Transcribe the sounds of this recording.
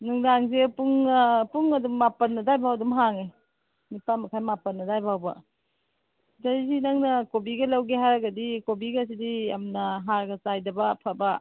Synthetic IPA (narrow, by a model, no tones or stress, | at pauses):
nuŋdaŋs̬epuŋapuŋɐdumːapɐnːɐdajbawdumɦaŋe | nipamɐkʰajmapɐnːɐdajbʱawbɐ̰ | d͡ʒazinɐŋnɐkobiɡɐlawɡeɦaɾɐɡɐdikobiɡas̬idijamnɐɦaɾɡɐsajdɐbɐpʰabɐ